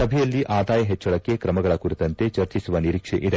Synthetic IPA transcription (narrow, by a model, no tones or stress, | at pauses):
sɐbʱɛjɐlːiʔʔaːd̪aːjɐɦet͡ʃːɐɭɐkːe̞kɾɐmɐɡɐɭɐkuɾit̪ɐnt̪e̞t͡ʃɐɾt͡ʃisuʋɐniɾiːkʂeʔid̪e